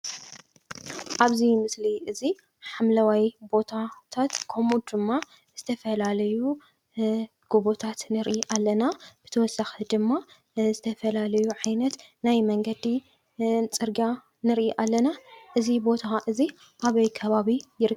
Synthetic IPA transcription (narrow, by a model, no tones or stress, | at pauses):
ʔaβzimɨsliʔɨzi | ħamlɐwajbo̞t̪ʰat̪ʰat̪kʰomud̪ɨmːa | z̥ɨt̪ʰɐfɐlalɐju | ɡ̥oβot̪ʰat̪nɨɾʔiʔalːɐnab̥ɨt̪ʰɐwɔsaxd̪ɨmːa | zɨt̪ʰɐfɐlalɐjuʕajnɐt̪najmɐŋɡɐd̪i | t͡sʼɨɾɡa | nɨɾʔiʔalːɐnaʔɨzibo̞t̪ʰaʔɨzi | ʔaβɐjkʰɐβaβijɪɾɨ